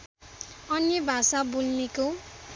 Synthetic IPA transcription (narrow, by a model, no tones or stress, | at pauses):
ʌnjʌbʱasabulneko